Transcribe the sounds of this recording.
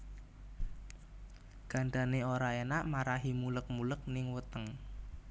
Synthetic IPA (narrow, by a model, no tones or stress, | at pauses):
ɡ̥a̤ɳɖ̪a̤neoɾaenaʔmaɾaɦimulək̚mulək̚nɪŋwət̪əŋ